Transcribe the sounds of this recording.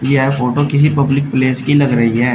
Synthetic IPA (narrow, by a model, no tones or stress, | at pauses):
jeɦɛfoːʈokɪs̬ipɐblɪk̚pleːskilɐɡɾɐɦiɦɛː